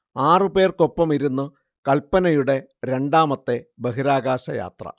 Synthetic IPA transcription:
aːrɨpe̞ːrko̞pːɐmiɾunːɨ | kɐlpːɐnɐjuɽe̞ | ɾe̞ɳɖaːmɐt̪ːe̞beɦiɾaːɣaːɕɐja̰ːt̪rɐ̰

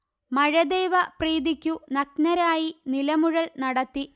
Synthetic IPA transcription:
mɐɻɐd̪ejʋɐpriːd̪ikʲːunɐk̚nɐɾaːjinilɐmuɻɐlnɐɽɐt̪ːi

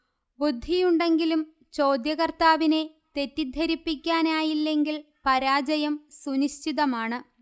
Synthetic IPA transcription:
bud̪ʱːijuɳɖe̞ŋɡilum | t͡ɕo̞ːd̪jɐɣɐrt̪aːʋine̞ | t̪e̞tːid̪ʱːɐɾipːikʲːaːnaːjilːe̞ŋɡil | pɐɾaːd͡ʑɐjɐmsuniɕt͡ɕiðɐmaːɳɨ

